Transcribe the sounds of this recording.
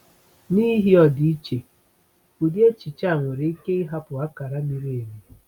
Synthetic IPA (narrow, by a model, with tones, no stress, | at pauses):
ni˦ɦi˦ɔ˨di˦i˦t͡ʃe˨ | u˨dje˦t͡ʃi˨t͡ʃa˦˨ŋʷe˨ɾe˦i˦ke˦i˦ɦa˦pʊ˨a˦ka˨ɾa˦mi˦ɾe˦e˨me˨